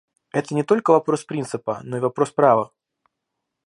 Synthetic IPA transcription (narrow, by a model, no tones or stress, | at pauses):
ɛt̪ənʲɪt̪o̞lʲkəvɐpɾo̞spɾʲint̪sɨpə̰no̞ivɐpɾo̞spɾavə